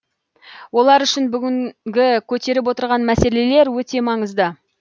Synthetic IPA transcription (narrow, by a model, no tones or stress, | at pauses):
wo̞lˠɑɾʏʃɪnbʏɡʲɪŋɡʲɪkʲʰɵt̪e̞ɾɪp̬wo̞t̪əɾʁɑnmæse̞le̞le̞ɾwɵt̪e̞mɑɴəzd̪ə